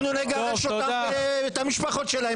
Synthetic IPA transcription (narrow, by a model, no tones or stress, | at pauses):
nuleɡaeʃootd̪aeet̪amiʃpaχo̞t̪ʃelae